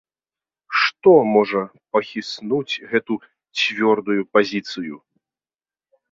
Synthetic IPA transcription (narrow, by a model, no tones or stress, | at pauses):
ʂt̪ɔmɔʐɐ | pɐxʲisnut͡sʲɣɛt̪u | t͡sʲvʲɔrd̪ujupazʲit̪sɨju